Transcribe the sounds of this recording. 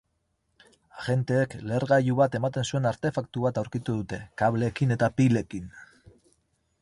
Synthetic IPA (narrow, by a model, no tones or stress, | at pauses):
aʝe̞nt̪e̞ːkle̞ɾɣajuβat̪e̞mat̪e̞nsue̞naɾt̪e̞fakt̪uβat̪awɾkit̪uðut̪e̞kaβle̞kine̞t̪apile̞kin